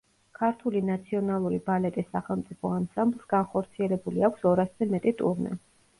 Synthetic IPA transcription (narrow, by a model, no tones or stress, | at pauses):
kʰaɾt̪ʰulinat̪sʰiɔnalˠuɾibalɛt̪ʼisːaχɛlˠmt̪sʼipʰɔamsamblˠsɡanχɔɾt̪sʰiɛlɛbuliakʷʰsɔɾaszɛmɛt̪ʼit̪ʼṵɾnɛ̰